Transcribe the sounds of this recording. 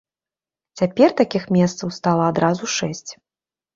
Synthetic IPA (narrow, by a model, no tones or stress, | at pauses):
t͡sʲapʲɛrt̪akʲixmʲɛst̪sɐwst̪alˠɐad̪ɾazuʂɛsʲt͡sʲ